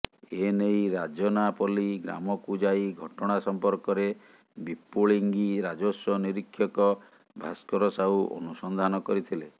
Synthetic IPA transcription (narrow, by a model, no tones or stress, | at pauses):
enejɾad͡ʒɔnapɔliɡɾa̰mɔkud͡ʒajɡʱɔʈɔɽ̃asɔmpɔɾkɔɾe | bipoɭiŋɡiɾad͡ʒosɔniɾikʰːjɔkɔ | bʱa̰skɔɾɔsawʔɔ̰nusɔnd̪ʱanɔkɔɾit̪ʰile